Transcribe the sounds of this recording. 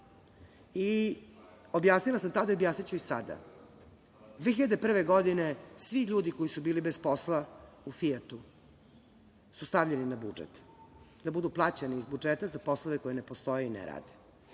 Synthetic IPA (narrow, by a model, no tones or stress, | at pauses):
i | objaːsnilasamt̪ad̪aiobjaːsnit͡ɕuisa̰d̪a̰ | d̪ʋeːçiʎad̪epr̩ʋeɡod̪inesʋixʎuːd̪iko̞jisubiːlibespo̞slaufiet̪u | sust̪avʎeninabṵd͡ʒḛt̪ | d̪abud̪uplˠaːt͡ɕeniːzbud͡ʒet̪azapo̞slˠoʋeko̞jenepost̪o̞jeinḛɾa̰ːd̪e̥